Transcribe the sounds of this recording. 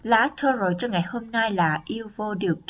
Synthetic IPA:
laː˨˦t͡ɕʰɔ˧zo˨˩jt͡ɕɔ˧ŋa˨˩jho˧mna˧jlaː˨˩ʔi˧wvo˧ɗɨ˨˩ək̚k

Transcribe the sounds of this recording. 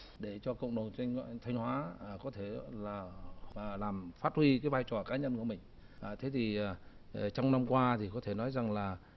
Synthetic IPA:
ɗe˧˩t͡ɕɔ˧kə̰˧˨wŋ͡mɗə˨˩n˧ŋt̪ʰa˧jŋ̟hwaː˨˦˨kɔ˨˦t̪ʰe˧˩laː˨˩˨ | laː˨˩mfaː˦˥t̚hwi˧kaː˨˦jvaː˧jt͡ɕɔ˨˩kaː˨˦ɲə˧nku˧˩əmï˨˩ŋ̟ | ʔːt̪ʰe˨˦t̪ʰi˨˩˨t͡ɕɔ˧wŋ͡mna˧mkwaː˧t̪ʰi˨˩kɔ˨˦t̪ʰe˧˩nɔ˨˦jza˨˩ŋlaː˨˩

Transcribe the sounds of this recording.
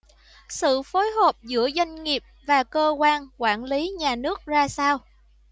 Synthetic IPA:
sɨ̰˧˨fo˨˦jɦo˨˩p̚zɨ̰˧˥əzwa˧jŋ̟ŋi˨˩əp̚vaː˨˩kəː˧kwaː˧nkwaː˧˩nli˨˦ɲaː˨˩nɨ˦˥ək̚zaː˧saː˧w

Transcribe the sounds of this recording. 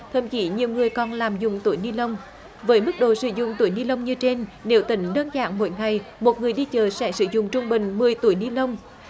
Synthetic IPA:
t̪ʰə˧˩mki˨˦ɲi˨˩əwŋɨ˨˩əjkɔ˨˩nlaː˨˩mzʊ˨˩ŋ͡mt̪u˧˩˦jni˧lə˧wŋ͡m | vəː˨˦jmɨ˦˥k̚ɗo̰˧˨sɨ̰˧˦zʊ̰˧˨ŋ͡mt̪u˧˩˦jni˧lə˧wŋ͡mɲɨ˧t͡ɕe˧nne˨˦wt̪ï˨˦ŋ̟ɗəː˧nza̰ː˧˨ŋmo̰˧˦jŋa˨˩jmo˨˩t̚ŋɨ˨˩əjɗi˧t͡ɕəː˨˩sɛ̰˧˥sɨ̰˧˦zʊ̰˧˨ŋ͡mt͡ɕʊ˧ŋ͡mɓï˨˩ŋ̟mɨ˨˩əjt̪u˧˩˦jni˧lə˧wŋ͡m

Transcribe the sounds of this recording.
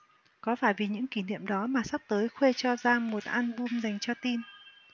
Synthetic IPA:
kɔ˨˦faː˧˩jvi˨˩ɲɨ̰˧˥ŋki˧˩nḭ˧˨əmɗɔ˨˦maː˨˩sa˦˥p̚t̪əː˨˦jxwe˧t͡ɕɔ˧zaː˧mo˨˩t̚ʔa˧nɓu˧mza˨˩jŋ̟t͡ɕɔ˧t̪i˧n

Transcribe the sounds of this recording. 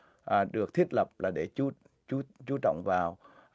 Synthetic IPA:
ʔːɗɨ˨˩ək̚t̪ʰi˦˥t̚lə˨˩p̚laː˨˩ɗe˧˩t͡ɕu˨˦ | t͡ɕu˨˦t͡ɕu˨˦t͡ɕɔ̰˧˨wŋ͡mvaː˨˩w

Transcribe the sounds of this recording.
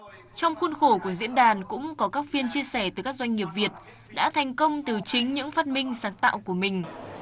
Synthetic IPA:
t͡ɕɔ˧wŋ͡mxu˧nxo˧˩ku˧˩əzḭ˧˥ənɗaː˨˩nkʊ̰˧˥ŋ͡mkɔ˨˦kaː˦˥k̚fi˧ənt͡ɕi˧əsɛ˧˩t̪ɨ˨˩kaː˦˥k̚zwjŋ̟ŋi˨˩əp̚vi˨˩ət̚ | ɗa̰ː˧˥t̪ʰa˨˩jŋ̟kə˧wŋ͡mt̪ɨ˨˩t͡ɕï˨˦ŋ̟ɲɨ̰˧˥ŋfaː˦˥t̚mï˧ŋ̟saː˨˦ŋt̪a̰ː˧˨wku˧˩əmï˨˩ŋ̟

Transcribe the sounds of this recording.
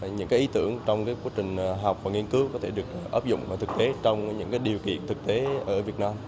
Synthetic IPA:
ɲɨ̰˧˥ŋkaː˨˦jʔi˨˦t̪ɨ̰˧˩əŋt͡ɕɔ˧wŋ͡mkaː˨˦jkwaː˨˥t͡ɕï˨˩ŋ̟ɦa˨˩wk͡p̚vaː˨˩ŋi˧ənkɨ˨˦wkɔ˨˦t̪ʰe˧˩ɗɨ˨˩ək̚ʔəː˦˥p̚zʊ̰˧˨ŋ͡mvaː˨˩t̪ʰk̚t̪e˨˦t͡ɕɔ˧wŋ͡mɲɨ̰˧˥ŋkaː˨˦jɗi˨˩əwkḭ˧˨ənt̪ʰɨ˨˩k̚t̪e˨˦ʔəː˧˩vi˨˩ət̚naː˧m

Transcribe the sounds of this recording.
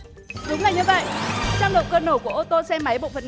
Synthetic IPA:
ɗʊ˨˦ŋ͡mlaː˨˩ɲɨ˧və̰˧˨jʔt͡ɕaː˧ŋ͡mɗo̰˧˨ŋ͡mkəː˧no˧˩ku˧˩əʔo˧t̪o˧sɛ˧ma˨˦jɓo̰˧˨fə˨˩

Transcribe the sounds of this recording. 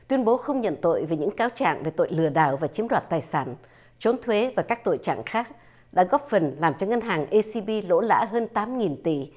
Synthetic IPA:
t̪wi˧ənɓo˨˦xə˧wŋ͡mɲə̰˧˨nt̪o̰˧˨jve˨˩ɲɨ̰˧˥ŋkaː˨˦wt͡ɕa̰ː˧˨ŋve˨˩t̪o̰˧˨jlɨ˨˧˩əɗa̰ː˧˩wvaː˨˩t͡ɕi˨˦əmɗwaː˨˩t̚t̪aː˨˩jsaː˧˩n | t͡ɕo˨˦nt̪ʰwe˨˦vaː˨˩kaː˦˥k̚t̪o̰˧˨jt͡ɕa̰ː˧˨ŋxaː˦˥k̚ | ɗa̰ː˧˥ɣɔ˦˥p̚fə˨˩nlaː˨˩mt͡ɕɔ˧ŋə˧nɦaː˨˩ŋʔi˧si˧ɓi˧lo̰˧˥la̰ː˧˥ɦəː˧nt̪aː˨˦mŋi˨˩nt̪i˧˩

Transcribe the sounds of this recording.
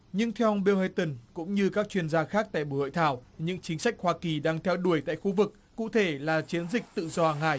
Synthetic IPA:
ɲɨ˧ŋt̪ʰɛ˧wʔə˧wŋ͡mɓi˧whə˧t̪ə˨˩nkʊ̰˧˥ŋ͡mɲɨ˧kaː˦˥k̚t͡ɕwi˧ənzaː˧xaː˦˥k̚t̪a̰ː˧˨jɓṵ˧˩ho̰˧˨jt̪ʰaː˧˩wɲɨ̰˧˥ŋt͡ɕï˨˦ŋ̟sa˦˥jk̟̚hwaː˧ki˨˩ɗaː˧ŋt̪ʰɛ˧wɗu˧˩əjt̪a̰ː˧˨jxu˧vɨ˨˩k̚ːṵ˧˨t̪ʰe˧˩laː˨˩t͡ɕi˨˦ənzï˨˩k̟̚t̪ɨ̰˧˨zɔ˧ʔaː˨˩ŋha̰ː˧˩˨j

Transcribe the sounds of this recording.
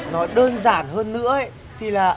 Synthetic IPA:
nɔ˨˦ɗəː˧nzaː˧˩nɦəː˧nːɨ̰˧˥əə˧˦ | t̪ʰi˨˩laː˨˩

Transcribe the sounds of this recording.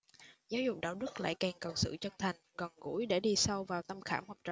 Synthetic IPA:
zaː˨˦wzʊ̰˨˩k͡p̚ɗa̰ː˧˥wɗɨ˦˥k̚la̰ː˧˨jkɛ˨˩ŋkə˨˩wsɨ̰˧˨t͡ɕə˧t̪ʰa˨˩jŋ̟kɔ˨˩nkṵ˧˥jɗe˧˩ɗi˧sa˧wvaː˨˩wt̪ə˧mxaː˧˩mhɔː˨˩p̚t͡ɕə̰˧˨

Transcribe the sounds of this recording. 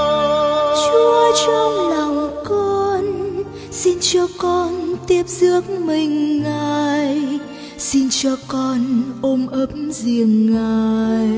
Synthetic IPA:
t͡ɕu˧ət͡ɕɔ˧ŋ͡mla˨˩wŋ͡mkɔ˧n | si˧nt͡ɕɔ˧kɔ˧nt̪i˦˥əp̚zɨ˦˥ək̚mï˨˩ŋ̟ːaː˨˩j | si˧nt͡ɕɔ˧kɔ˧nʔo˧mʔə˨˦˥p̚mzi˨˩əŋːaː˨˩j

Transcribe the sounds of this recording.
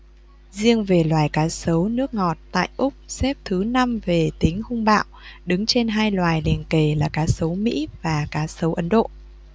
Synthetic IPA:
zi˧əŋve˨˩lwaː˨˩jkaː˨˦sə˨˦wnɨ˦˥ək̚ŋɔ˨˩t̚t̪a̰ː˧˨jʔʊ˦˥k͡p̚sɛ˦˥p̚t̪ʰɨ˨˦na˧mve˨˩t̪ï˨˦ŋ̟hʊ˧ŋ͡mɓa̰ː˧˨wɗɨ˨˦ŋt͡ɕe˧nɦaː˧jlwaː˨˩jli˨˩ənke˨˩laː˨˩kaː˨˦sə˨˦wmḭ˧˥vaː˨˩kaː˨˦sə˨˦wʔə˨˦nɗo̰˧˨

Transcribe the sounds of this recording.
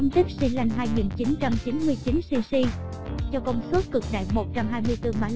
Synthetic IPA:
ŋ͡mt̪i˦˥k̚si˧la˧jŋ̟ɦaː˧jŋi˨˩nt͡ɕi˨˦nt͡ɕa˧mt͡ɕi˨˦nmɨ˧əjt͡ɕi˨˦nsi˧si˧ | t͡ɕɔ˧kɔ˧˩wŋ͡msu˦˥t̚kɨ˨˩k̚ɗa̰ː˧˨jmo˨˩t̚t͡ɕa˧mɦaː˧jmɨ˧əjt̪ɨ˧ma̰ː˧˦

